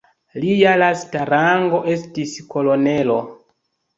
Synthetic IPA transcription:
lijalastaɾaŋɡo̞ʔe̞stisko̞lo̞ne̞lo̞

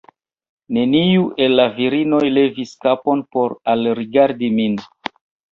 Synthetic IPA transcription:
ne̞niuʔe̞lːaviɾino̞jle̞viskapo̞npo̞ɾalɾiɡaɾdimin

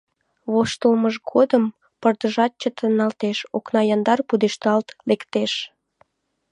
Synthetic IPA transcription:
βoʃt̪əlməʒɡod̪əm | pərd̪əʒɑt̪̚t͡ɕət̪ənːɑlt̪eʃoknɑjɑnd̪ɑrpud̪eʃt̪ɑlt̪lekt̪eʃ

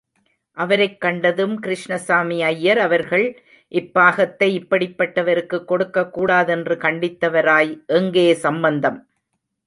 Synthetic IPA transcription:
ʔɐʋɐɾɐɪkːɐɳɖɐðɯmkɪɾɪʂɳɐsaːmiɐjːɐɾɐʋɐɾɣɐɭ | ʔɪpːaːɣɐt̪ːɐɪɪpːɐɽɪpːɐʈːɐʋɐɾɯkːɯkːɔɽɯkːɐkːuːɽaːðɛndrɯkɐɳɖɪt̪ːɐʋɐɾaːjʔɛŋɡeːsɐmbɐnd̪ɐm

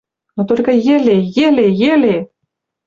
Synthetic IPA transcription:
nut̪olʲkə̆jĕlʲejelʲejelʲe

